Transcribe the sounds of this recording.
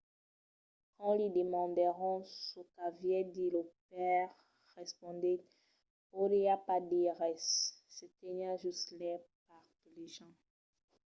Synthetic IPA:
kɑ̃lid̪emɑ̃d̪əʁɔ̃sokavjɛd̪iləp̚ɛʁ | ʁɛspɔ̃d̪ɛ | poɾeapad̪eʁɛsːet̪ɛɲãʒystlɛpaʁt̪uleʒɑ̃

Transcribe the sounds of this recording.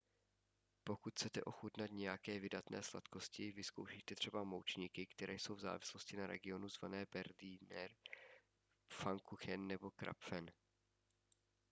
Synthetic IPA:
po̞kut̪ʰt͡sɛt̪ɛʔo̞xut̪nat̪ɲɛjakɛːvɪdat̪nɛ̰ːsla̰t̪ko̞scɪvɪsko̞wʃijt̪ɛt̪r̝̥ɛbamowt͡ʃɲiːkɪkt̪ɛɾɛːjso̞wvza̰ːvɪslo̞scɪnaɾɛ̰ɡɪo̞nuzva̰nɛːbɛɾdiːnɛɾ | faŋkuxɛnːɛbo̞kɾa̰pfɛn

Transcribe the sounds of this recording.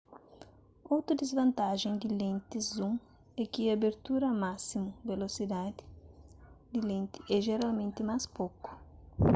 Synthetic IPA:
owt̪ɾud̪ezvɐ̃nt̪aʒẽŋd̪ɪlẽnt̪ɪzũŋ | ɛkiabeɾt̪uɾɐmasimʊvelosid̪ad̪ɪ̥ | d̪ɪlẽnt̪ɪ̥ʔɛʒeɾalmẽnt̪ɪmaspokʊ̥

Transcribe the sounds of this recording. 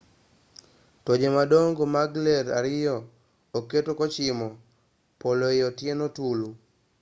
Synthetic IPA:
tod͡ʒemadoŋɡomaɡlɛɾa̰ɾɪjɔ | oketokɔt͡ʃɪmɔ | polojɔtjenotulu

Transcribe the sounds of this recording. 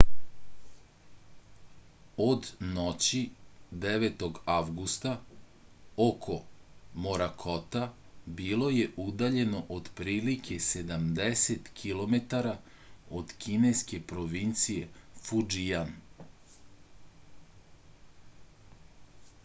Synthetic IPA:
od̪not͡ɕid̪eʋet̪o̞ɡaʋɡust̪a | okʰo̞moɾakʰot̪abilˠo̞je̞ʔud̪aʎe̞no̞ʔod̪pɾiːlikʰe̞se̞d̪amd̪eset̪kʰilˠo̞met̪aɾa | od̪kʰineske̞pɾo̞ʋint̪sije̞fud͡ʒijan

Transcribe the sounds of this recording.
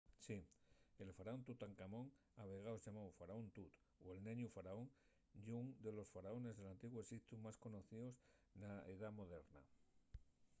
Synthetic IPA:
sie̞lfaɾao̞nt̪ut̪aŋkamõ̞ŋ | aβ̞e̞ɣ̞aosʝamawfaɾaont̪ut̪ | oe̞lnẽɲufaɾaoŋ | ʝuŋd̪e̞lo̞sfaɾao̞ne̞zðelant̪iɣwoesikt̪umasko̞no̞θiosnaeðamo̞ð̞e̞ɾna̰

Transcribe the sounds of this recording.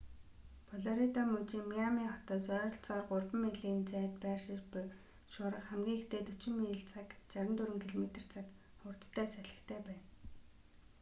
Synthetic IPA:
pʰɔɮɔɾit̪ɔmɵt͡ɕiːŋmːiamiŋχɔt̪ɔːsœːɾ̆ɬt͡sɔːrɢʊrpə̆meɮiːnt͡sæːt̪pæːrʃĭt͡ɕpʊ | ʃʊːɾə̆χχæmɡʲiːŋxet̪eːt̪ɵt͡ɕɪ̆mːĭɮt͡sʰakt͡ɕaɾə̆nt̪ʰuɾɘ̆ŋkʰiɮɔmet̪ə̆r̥t͡sʰak | χʊr̥t̪ʰt̪ʰːæːsæɮə̆kt̪ʰæːpæːn

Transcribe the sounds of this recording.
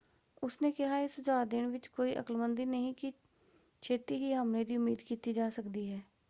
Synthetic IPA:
ʊsneːkɪɦaːɪsʊd͡ʒaːd̪ɪɳʋɪt͡ʃkoːiːʔə̰kəlmənd̪iːnəɦĩːkɪ | t͡ʃʰeːt̪iːɦiːɦəmleːd̪iːʊmːiːd̪kiːt̪iːd͡ʒaːsəkd̪iːɦɛː

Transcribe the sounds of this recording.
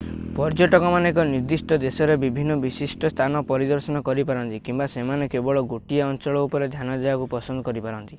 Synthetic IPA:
pɔɾd͡ʒɔʈɔkɔmanekɔniɾd̪isʈɔd̪esɔɾebibʱinːɔbisisʈɔst̪ʰanɔpɔɾid̪ɔɾsɔnɔkɔɾipaɾɔnt̪ikimbasemanekebɔɭɔɡoʈiaɔnt͡ʃɔɭɔupɔɾed̪ʱjanad̪ebakupɔsɔnd̪ɔkɔɾipaɾɔnt̪i̥

